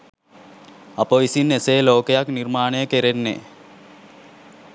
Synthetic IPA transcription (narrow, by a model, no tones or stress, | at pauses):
apoʋisinːeseːloːkejakniɾmaːnejəkeɾenːḛ